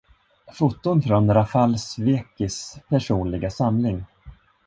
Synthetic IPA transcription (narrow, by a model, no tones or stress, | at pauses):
fʊt̪ːʊnfɾɔnɾafalsveːkɪspʰæʂuːnlɪɡasamlɪŋ